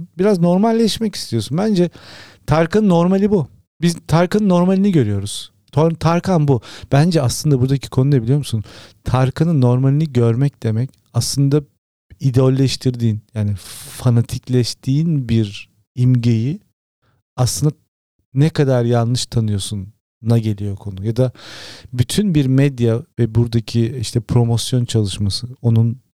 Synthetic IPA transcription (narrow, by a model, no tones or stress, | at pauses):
biɾazno̞ɾmalʲːɛʃmɛci̥st̪ʰijo̞sunbænd͡ʒɛt̪ʰaɾkɯnnːo̞ɾmalʲibu | bizt̪ʰaɾkanɯnːo̞ɾmalʲiniɟø̞ɾyjo̞ɾuz̥ | t̪ʰot̪ʰaɾkʰanbub̥ænd͡ʒɛaslˠɯnd̪abuɾd̪acʰi̥kʰo̞nud̪ebilʲijo̞mu̥sunt̪ʰaɾkʰɯnɯnːo̞ɾmalʲiniɟøɾmɛc̚d̪̥e̞mɛc | aslˠɯnd̪a | id̪eolʲːɛʃt̪ʰiɾd̪iːnjaːnifanat̪ʰiclʲɛʃt̪ʰiːnbiɾ | imɟeji | aslˠɯnd̪a | nɛkʰad̪aɾjanˠlˠɯʃt̪ʰanɯjo̞sunː | aɟe̞lʲijo̞kʰo̞nujad̪abyt̪ʰynbiɾmɛd̪javɛbuɾd̪acʰiiʃt̪ʰɛpʰɾo̞mo̞sjo̞nt͡ʃʰalˠɯʃmasɯo̞nun